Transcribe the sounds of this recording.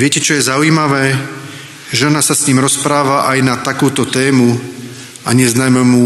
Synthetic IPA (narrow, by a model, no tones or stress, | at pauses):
ʋɪɛcɛt͡ʃɔjɛzaʊiːmaʋɛː | ʒɛnasasɲiːmɾɔspɾaːʋaʔajnat̪akuːt̪ɔt̪ɛːmu | aɲɛznaːmɛmu